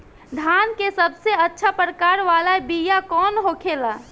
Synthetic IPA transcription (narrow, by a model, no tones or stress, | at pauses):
d̪ʱankesəbseətːʃʰapɾəkaɾʋalaebijakɔnɦokʰela